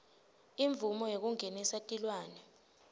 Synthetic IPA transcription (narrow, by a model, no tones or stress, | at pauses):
iɱvumɔjek̬uŋenisatʼilwaːnɛ